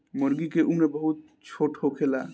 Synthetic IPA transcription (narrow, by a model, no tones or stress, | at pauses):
məɾɡikeʔumebəɦut̪̚ | t͡ʃʰoʈʰhokʰela